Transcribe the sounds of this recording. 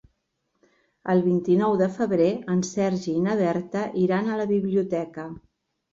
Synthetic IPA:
əlˠβint̪inɔwðəfəβɾeənsɛɾʒiːnəβɛɾt̪əʔiɾanələβiβliut̪ɛkə

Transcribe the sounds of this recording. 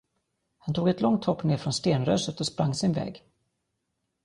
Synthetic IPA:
hant̪ʰuːɡɛt̪lɔŋt̪ʰhɔpːneːɾfɾɔnst̪eːnɾœːsət̪ɔspɾaŋːsɪnvɛ̰ːɡ

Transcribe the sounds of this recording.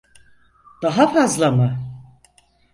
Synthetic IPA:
d̪̥aɦapʰazlama

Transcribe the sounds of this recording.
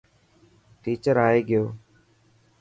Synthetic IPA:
ʈiːt͡ʃəɾaːeːɡɪjoː

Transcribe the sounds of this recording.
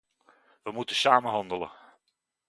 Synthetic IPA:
ʋəmutəsaːmənɦɑndələ̰

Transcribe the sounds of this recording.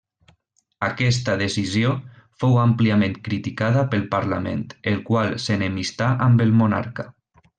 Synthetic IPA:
akɛst̪aðesizio | fowampliamẽnt̪kɾit̪ikaðapəlˠpaɾla̰mḛnt̪elkwalˠsenemist̪aʔambəlˠmuna̰ɾka

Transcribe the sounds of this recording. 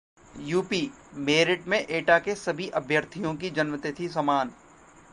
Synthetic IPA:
juːpiː | meːɾɪʈmẽʔeːʈakesɐbʱiʔɐbʱjəɾt̪ʰijõkid͡ʒɐnmət̪et̪ʰisɐmaːn

